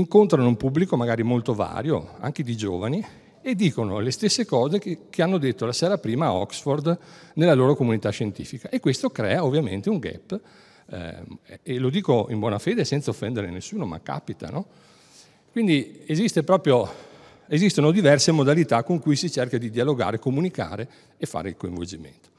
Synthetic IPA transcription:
iŋkont̪ɾanoumpubːlikomaɡaːɾimolt̪ova̰ːɾjo̰a̰ŋk̟ed̪id͡ʒo̰ːvani | ed̪ːiːkono̰lest̪esːekɔːzekʰeanːod̪et̪ːolasɛːɾapɾiːmaɔ̰ksford̪nelːaloːɾokomunit̪aʃːent̪ḭːfikaʔekːwest̪okɾɛ̰ːaovːjamḛnt̪euŋɡɛ̰pː | lod̪iːkoimbwɔːnafeːd̪esɛnt̪saofːɛnd̪eɾnenesːuːnoma̰kːa̰pit̪a̰nɔ | kwind̪iezist̪epɾɔːpɾjo | ezist̪onod̪ivɛrsemod̪alit̪akːoŋkujsit͡ʃerkad̪id̪ialoɡa̰ːɾekomunika̰ːɾe | efːa̰ːɾeilkoiɱvo̰ld͡ʒimḛnt̪o̥

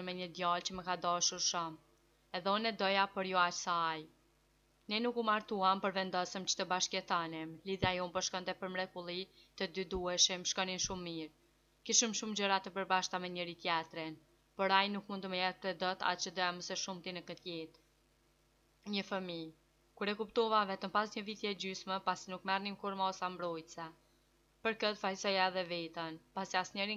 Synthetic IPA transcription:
mɛɲəd̪jɑlt͡ɕəməkad̪ɔʃuɾʃɔm | ɛðɛɔnɛd̪ɔjapɔɾjɔat͡ʃsaːj | nɛnukumaɾt̪uampəɾvɛnd̪ɔsəmt͡ɕə̥t̪əbaʃkɛt̪animliðjajumpɔʃkɔnt̪ɛpəɾmɾɛkulˠit̪əd̪yd̪uɛʃimʃkɔnimʃumːiɾ | kiʃəmʃumd͡ʑəɾat̪əpəɾbaʃt̪amɛɲəɾit̪jɛt̪ɾin | pɔɾajnukmund̪t̪əməjɛt̪̚pɾɛd̪ət̪a̰t͡ʃəd̪ɔjaməsɛʃumt̪inəkət̪jit̪ | ɲəfəmi | kuɾɛkupt̪ɔvavɛt̪əmpasɲəvit̪jɛɛd͡ʑyʃmɛpasinukmɛrnimkuɾmaɔsambɾɔjt̪sɛ | pəɾkət̪fajsɔjaɛðɛvit̪ənpasiasɲəɾi

